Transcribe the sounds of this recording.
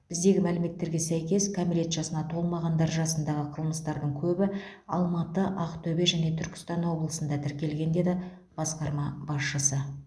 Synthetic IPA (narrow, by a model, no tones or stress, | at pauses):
b̥ɪzd̪e̞ɡʲɪmælɪme̞t̪ːe̞ɾɡʲe̞sæjkʲe̞skʰamiɾʲe̞t̪ʒ̥ɑsənɑt̪ʰo̞lˠmɑʁɑnd̪ɑɾʒɑsənd̪ɑʁəqʰəlˠməst̪ɑɾd̪əɴkʲʰɵbɪ | ɑ̰lˠmɑt̪əʔɑqt̪ʰɵbe̞ʒæne̞t̪ʰʏɾkʲɪ̥st̪ɑnwo̞blˠəsənd̪ɑt̪ʰɪɾkʲe̞lɡʲe̞nd̪e̞d̪ɪ | b̥ɑsqɑɾmɑbɑsʃəsə